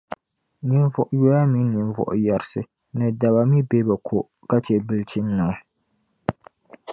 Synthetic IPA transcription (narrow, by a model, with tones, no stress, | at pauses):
ni˦nvʊ˨ʔʊ˦jo˦ja˦mi˦ni˨n˦vɔ̰˨ʔʊ˨ja˨ɾɪ˦sɨ˦ | nɨ˨da˨ba˨mi˦be˦ba˨kʰo˨ʔ | ka˦t͡ʃɛ˦bɨ˦lt͡ʃi˦nːɨ˨ŋɔ˦